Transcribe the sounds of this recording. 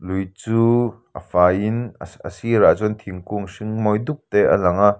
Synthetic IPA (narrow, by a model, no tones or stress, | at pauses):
lujt͡suːʔəfaːinə̰siɾazɔnt̪ʰiŋkuŋsiŋmɔjd̪uk̚t̪eʔə̰lɐŋaʔ